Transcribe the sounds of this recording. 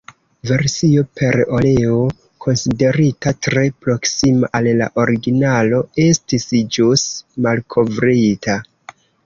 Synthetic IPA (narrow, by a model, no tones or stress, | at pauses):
ve̞ɾsio̞pʰe̞ɾo̞leo | kʰo̞nside̞ɾitatɾe̞pɾo̞ksimaʔalla̰ʔo̞ɾiɡinalo̞e̞stisd͡ʒusmalkʰo̞vɾitʰa